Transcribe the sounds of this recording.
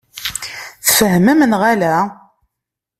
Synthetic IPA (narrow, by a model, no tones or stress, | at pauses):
θfəɦməmnʁalæ